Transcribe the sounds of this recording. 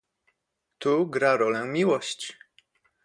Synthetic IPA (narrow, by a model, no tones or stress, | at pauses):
t̪uɡɾaɾɔlɛmʲiwɔɕt͡ɕ